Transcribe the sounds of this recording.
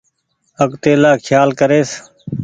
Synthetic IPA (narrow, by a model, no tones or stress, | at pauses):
əkt̪eːlaːkʰjaːlkəɾeːs